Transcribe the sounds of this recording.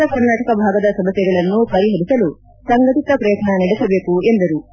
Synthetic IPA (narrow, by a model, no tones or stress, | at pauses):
ɐkɐɾnaːʈɐkɐbʱaːɡɐd̪ɐsɐmɐsjɛɡɐɭɐnːupɐɾiɦɐb̪isɐlu | sɐŋɡɐt̪it̪ɐpɾɐjɐt̪nɐnɐɽesɐbe̞ːkue̞nd̪ɐɾu